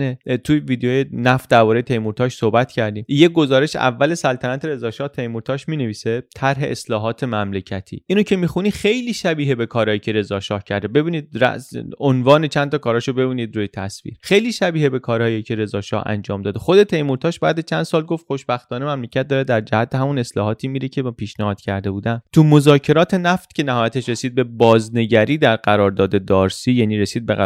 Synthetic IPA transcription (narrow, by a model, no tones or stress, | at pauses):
net̪ʰuviːd̪ejojenæfd̪æɾbɒːɾejet̪ʰe̞jmuɾt̪ɒʃsohbæt̪ʰcʰæɾd̪iːmjeɡo̞zɒːɾe̞ʃʔæ̰vːælesælt̪ʰænæt̪ʰe̞ɾe̞zɒːʃɒːht̪ʰe̞jmuɾt̪ʰɒːʃmiːneviːset̪ʰæɾɦe̞ʔeslɒːɦɒːt̪ʰe̞mæmlecʰæt̪ʰḭːʔiːnocʰe̞mixunixe̞jliːʃæbiːɦebe̞kʰɒːɾɒːjicʰe̞ɾe̞zɒːʃɒːhcʰæɾd̪ebe̞biːniːd̪̚ɾæ̰onvɒːnet͡ʃʰænt̪ɒːkɒːɾɒːʃobe̞biːniːd̪ɾuːjet̪ʰæsvḭːɾxe̞jliːʃæbiːhebe̞kʰɒːɾhɒːjecʰe̞ɾe̞zɒːʃɒ̰hæ̰nd͡ʒɒːmd̪ɒːd̪exo̞d̪et̪ʰe̞jmuɾt̪ʰɒːʃbæ̰ːd̪æt͡ʃʰænd̪̥sɒːlɡo̞ft̪xo̞ʃbæxt̪ɒːnemæmlecʰæt̪̚d̪ɒːɾed̪æɾd͡ʒæhæt̪ʰːehæmune̞slɒːɦɒːt̪ʰiːmiːɾecʰepiːʃnæhɒːd̪cʰæɾd̪e̞buːd̪ænt̪ʰumozɒːcʰe̞ɾɒːt̪ʰe̞næft̪cʰʲe̞næɦɒːjæt̪eʃɾe̞siːd̪̚be̞bɒːzne̞ɟæɾiːd̪æɾɢæɾɒːɾd̪ɒːd̪e̞d̪ɒːɾsiːjæniːɾesiːd̪̚bḛ